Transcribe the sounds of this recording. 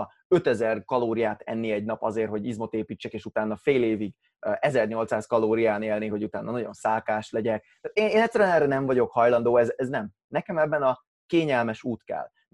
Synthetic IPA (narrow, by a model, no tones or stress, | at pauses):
øt̪ɛzɛrkɒloːɾijaːt̪ɛ̰nːiɛɟnɒpɒ̰zeːrɦo̞ɟizmo̞t̪eːpiːt͡ʃːɛkeːʃut̪aːnːɒfeːleːviɡ | ʔɛzɛrɲo̞lt̪saːskɒloːɾijaːneːlniɦo̞ɟut̪a̰ːnːɒnɒɟo̞̰nsaːlkaːʃlɛɟɛk̚t̪aːt̪eːneːnɛt̪ʲsːɛɾyɛnɛːrːɛnɛɱvɒɟo̞khɒjlɒnd̪oːɛzɛznɛm | nɛkɛmɛbːɛnɒ | keːɲɛlmɛʃuːt̪kɛ̰l